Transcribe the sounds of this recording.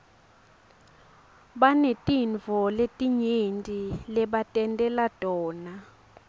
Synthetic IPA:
ɓanetʼinvʱɔletʼiɲentʼilɛɓatʼɛntʼɛlatʼɔːna

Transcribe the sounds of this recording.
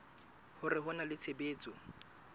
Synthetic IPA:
hʊrɪɦʊnalɪt͡sʰebeːt͡sʼɔ

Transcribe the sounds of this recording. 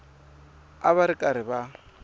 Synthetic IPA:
aβaɾɪkʼaɾɪba

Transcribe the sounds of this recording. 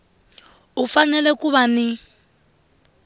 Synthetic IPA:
ufanɛlɛkʼuβanɪ

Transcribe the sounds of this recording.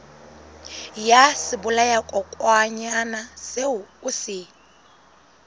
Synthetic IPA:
jasibulajakʼɔkʼwaɲanaseuusi

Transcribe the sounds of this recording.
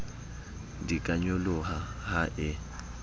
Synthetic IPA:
dikʼaɲolʊɦahaʔɪ

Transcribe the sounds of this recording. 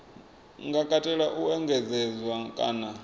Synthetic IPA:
ŋɡakʼatʼɛɺaʔuɛŋɡʱɛd͡zɛd͡zwakʼaːna

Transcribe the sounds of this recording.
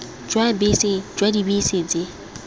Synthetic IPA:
d͡ʒwabisɪd͡ʒwadibised͡zɪ

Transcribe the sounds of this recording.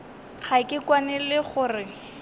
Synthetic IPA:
χakɪkwanɛlɪχʊːrɪ

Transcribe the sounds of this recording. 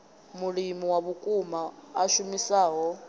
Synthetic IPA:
mulimiwaβukʼumaːʃumisaːɦɔ

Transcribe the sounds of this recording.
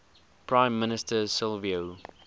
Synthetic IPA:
pʰɹãɪ̃mːɪnɪstəsɪlvio

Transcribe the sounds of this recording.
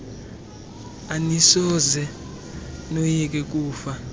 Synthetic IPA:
anisɔzɛ | nojik̬ɛk̬uːfa

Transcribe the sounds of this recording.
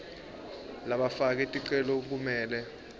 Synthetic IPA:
laɓafak̬ɛtʼiǃɛlɔk̬umɛːlɛ

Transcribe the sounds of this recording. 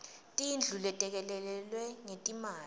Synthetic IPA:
tʼind͡ɮʱulɛtʼɛk̬ɛlɛlɛlwɛŋetʼimaː

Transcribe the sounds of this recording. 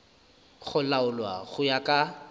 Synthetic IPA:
ɣʊlaʊlwa̰ɣʊjakʼa

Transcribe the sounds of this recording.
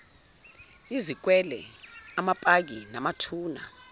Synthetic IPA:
izik̬wɛlɛ̰amapʼak̬inamatʰuːna̰

